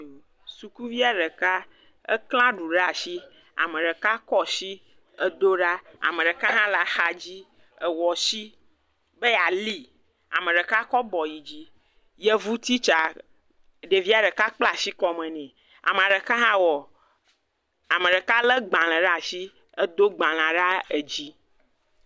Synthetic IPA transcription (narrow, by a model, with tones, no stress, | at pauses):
su˨ku˦vi˦a˦ɖɛ˨ka˦ | ə˦kl̃ã˦ɖu˨ɖa˨ʃi˦ | a̰˨mẽ˨ɖɛ˨ka˦kɔ˦si˦ | ə˦d̪o˦ɖa˦a̰˨mẽ˨ɖe˨ka˦ɦã˦la˨xa˨d͡ʑi˦ | ə˨wɔ˨si˦ | be˦ja˨li˦ | a̰˨mẽ˨ɖe˨ka˦kɔ˦bɔ˨ji˨d͡ʑi˦ | jɛ˦vu˦t̪i˦t͡ʃa˨ | ɖe˨vi˦a˨ɖɛ˨ka˦k͡pla˨si˦kɔ˦mɛ̃˨nɛ̃˨ | a̰˨me˨a˨ɖe˨ka˦ɦã˦wɔ˨ | a˨mẽ˨ɖɛ˨ka˦lə˦ɡ͡bã˨l̃ɛ̃˨ɖa˦˨si˦ | ə˦d̪o˦ɡ͡bã˨l̃ã˨ɖa˦e˨d͡ʑi˦